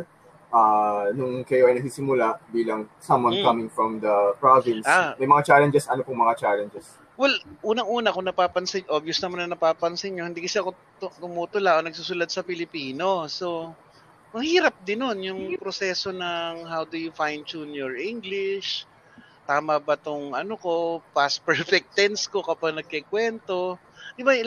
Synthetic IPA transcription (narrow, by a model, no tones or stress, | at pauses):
ʔanʊŋkɐjoʔɐjnɐɡ̚siːsɪmʊlaʔbiːlɐŋsɐmwɐ̃nkɐmɪ̃ŋfɹɔ̃md̪ɐpɹavɪnsamɐjmɐŋat͡ʃaːlɛnd͡ʒɛsʔɐnopʊŋmɐŋat͡ʃalɛnd͡ʒɛs | wɛlʔuːnɐŋʔuːnɐkʊŋnɐpaːpɐnsɐʔobjosnɐmanːɐnɐpaːpɐnsɪɪɲo̞hɪnd̪iːkɐsɛɐko̞ | t̪ʊmuːt̪ʊlaʔonɐɡ̚susʊlad̪̚sɐpɪlɪpiːno̞so̞ | mɐhiːɾɐp̚d̪ɪnːo̞njʊŋpɾosɛso̞nɐŋɦawd̪ujufajnd̪̚t͡ʃunjɔɹʔɪŋɡlɪʃ | t̪aːmabɐt̪ʊŋʔɐnoko̞paspɛɹfɛk̚t̪ɛnsko̞kɐpaɡ̚nɐɡ̚kɛkwɛnt̪o̞ | d̪ɪba